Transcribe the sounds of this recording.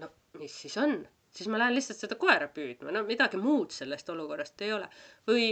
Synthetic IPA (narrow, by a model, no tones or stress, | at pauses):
no̞ | misːiso̞n | siːsmɑlæhenlihsɑlt̪sed̪̥ɑkoe̞ɾɑpyːd̪̥mɑ̰nomid̪ɑɡ̥imuːd̪̥se̞lːest̪o̞luko̞rːɑst̪e̞jo̞lḛvɯj